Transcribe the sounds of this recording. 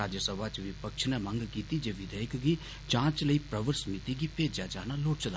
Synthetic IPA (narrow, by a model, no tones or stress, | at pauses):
aːd͡ʒəsəbʱat͡ʃʋipəkʃʰnɛmə̃ŋɡkiːt̪id͡ʒeʋɪd̪əjkɡi | d͡ʒãːt͡ʃləipɾəʋəɾsmit̪iɡipeːd͡ʒad͡ʒaːnaloːʈt͡ʃʰəd̪a